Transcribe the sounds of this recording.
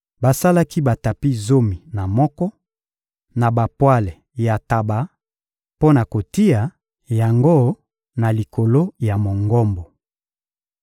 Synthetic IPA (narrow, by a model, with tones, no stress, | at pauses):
ba˨sa˦la˦ki˦ba˨ta˨pi˦zo˦mi˨na˨mɔ˦kɔ˦ | na˨ba˨pwa˦lɛ˨ | ja˨ta˨ba˨˦ | po˦na˨ko˨ti˦ja˨ | ja˨ŋɡo˦˨ | na˨li˨ko˨lo˦ja˨mo˨ŋɡɔ˦mbɔ˨